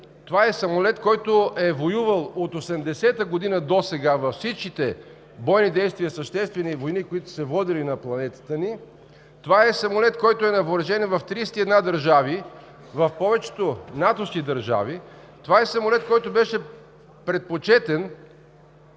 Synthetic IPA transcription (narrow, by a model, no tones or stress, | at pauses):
t̪ovaɛsɐmolɛt̪kɔjt̪oɛvojuvəlˠot̪osɛmd̪ɛsɛt̪əɡod̪inəd̪osɛɡavɐfsit͡ʃkit̪ɛ | bɔjnid̪ɛjst̪viəsəʃt̪ɛst̪vɛnivojnikoit̪ʊ̥sɛvɔd̪ilinɐplˠɐnɛt̪ə̥t̪əni | t̪ovaɛsɐmolɛt̪kɔjt̪ʊɛnɐvoɾɐʒɛnvɐft̪ɾist̪iɛd̪nad̪əɾʒavi | vɐfpɔvɛt͡ʃɛ̥t̪onat̪osk̟id̪əɾʒa̰vi | t̪ovaɛsɐmolɛt̪kɔjt̪obɛʃɛ | pɾɛt̪̚pot͡ʃɛt̪ɛn